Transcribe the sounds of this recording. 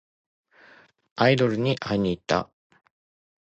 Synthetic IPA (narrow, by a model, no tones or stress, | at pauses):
aid̪o̞ɾɯ̟ɲ̟iʔaiɲ̟iːt̪ːa̰